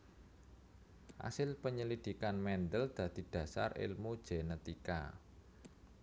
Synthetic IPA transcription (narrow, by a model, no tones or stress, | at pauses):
ha̰sɪlpəɲəlid̪̥i̤kanmɛnd̪əld̪̥ä̤d̪̥i̤d̪̥ä̤sa̰rɪ̰lmu̥ʒ̥enɛt̪ika̰